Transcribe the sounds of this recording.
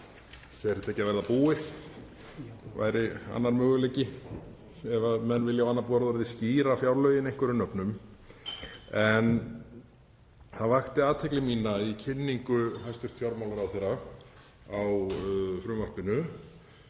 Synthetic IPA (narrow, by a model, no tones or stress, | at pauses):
θɛɾt̪ʰɛːcːavɛɾðapuːɪθ | va̰jɾɪa̰nːaɾmœːɣʏleːcɪ | ɛvamɛnːvɪljawanːapuːaɾðaɾðɪsciːɾafjawɾlœːɥjɪnejŋ̥kʏɾʏnœpnʏm | ɛn | θaðvaxt̪ɪaːt̪ʰɛklɪmiːnaicʰɪnːiŋkʏɦajst̪ʏɾ̥t̪fjawɾmawlaɾawθɛjɾa | awfɾʏːmar̥pɪnʏ